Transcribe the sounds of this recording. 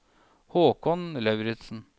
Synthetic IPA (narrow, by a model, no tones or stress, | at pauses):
hoːkʰɔnlɑʉɾɪt̪sn̩